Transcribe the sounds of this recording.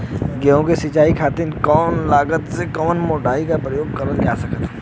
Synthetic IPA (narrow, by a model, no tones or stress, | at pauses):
ɡeõkesɪt͡ʃaːikʰaːt̪inkɔːnlaːɡət̪sekɔːənmoːɖaːikapɾəjoːɡ̚kɐɾəld͡ʒaːsɐkət̪